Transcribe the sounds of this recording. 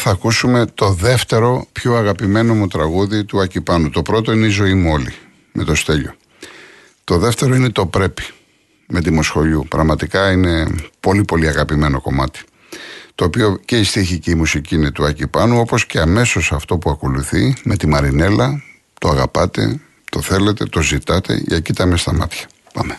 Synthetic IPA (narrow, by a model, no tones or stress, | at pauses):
θɐːkusume̞t̪o̞ðe̞ft̪e̞ɾo̞pçoɐɣɐpime̞no̞mut̪ɾɐɣuðit̪uɐcipɐnut̪o̞pɾo̞t̪o̞ineizo̞imuoli | mʔe̞̰t̪ost̪e̞ʎo̞ | t̪o̞ðe̞ft̪e̞ɾo̞ine̞t̪o̞pɾe̞pi̥ | me̞t̪imo̞sxo̞ʎupɾɐɣmɐt̪ikɐine̞po̞lipo̞liɐɣɐpime̞no̞ko̞mɐt̪i̥ | t̪o̞ːpio̞ce̞ist̪içicimusiciinet̪uɐcipɐnuo̞po̞sce̞ɐme̞so̞sɐft̪o̞puɐko̞luθime̞t̪imɐɾine̞lɐ | t̪o̞ɐɣɐpɐt̪e̞̰ | t̪o̞θe̞le̞t̪e̞t̪o̞zit̪ɐt̪e̞̰ḛːcit̪ɐmest̪ɐmɐt̪çɐ̥ | pɐ̰me